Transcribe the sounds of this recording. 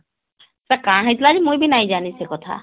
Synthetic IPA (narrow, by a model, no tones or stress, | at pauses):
sakaɽ̃ɦãĩjt̪lad͡ʒimũj̃bʱinaɦĩd͡ʒanisekɔt̪ʰa̰